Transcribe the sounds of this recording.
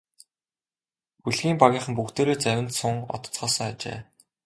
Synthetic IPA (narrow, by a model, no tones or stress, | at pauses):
xuɮɣiːmpaɣʲiːɴχə̆mpuxt̪eːɾeːt͡sæwʲɪ̆nt̪sʊŋɔ̰t̪ɞ̥̆t͡sχɔːsɞ̆ŋat͡ɕḛː